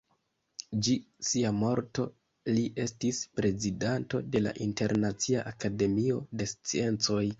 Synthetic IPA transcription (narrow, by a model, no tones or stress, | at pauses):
d͡ʒi | siamo̞ɾto̞ | liʔe̞stispɾe̞zidanto̞de̞la̰ʔinte̞ɾnat͡siaʔakade̞mio̞de̞st͡sie̞nt͡so̞j